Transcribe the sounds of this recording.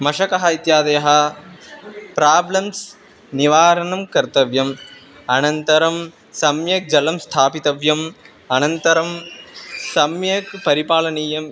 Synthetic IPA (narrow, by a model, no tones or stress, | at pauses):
mɐʃɐkɐɦɐit̪jaːd̪ɐjɐɦɐ̆ | pɾaːblɐms | niʋaːɾɐnɐmkɐɾt̪ɐʋjɐm | ɐnɐnt̪ɐɾɐm | sɐmjɐk̚d͡ʒɐlɐmst̪ʰaːpit̪ɐʋjɐm | ɐnɐnt̪ɐɾɐm | sɐmjɐkpɐɾipaːlɐniːjɐm